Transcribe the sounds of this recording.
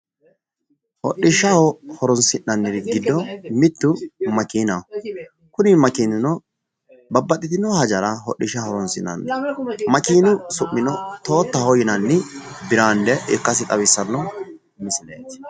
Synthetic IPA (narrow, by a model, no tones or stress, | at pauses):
hɔ̰ɗːɪʃɐhɔhɔɾɔnsɪnːɐnːɪɾɪɡɪd̪ːɔmɪt̪ːʊmɐkiːnɐ | kʊnɪmɐkiːnʊnɔ | bɐbːɐt̪ʼːɪt̪ɪnɔhɐd͡ʒɐɾɐɦɔɗːɪʃɐhɔɾɔnsɪnɐ̰nːmɐkiːnʊsʊʔːɪnɔt̪o̞ːt̪ːɐhɔjɪnɐnːɪbɪɾaːnd̪ɛʔɪkːɐsɪt̪ʼɐbɪsːɐnːɔ | mɪsɪlḛːt̪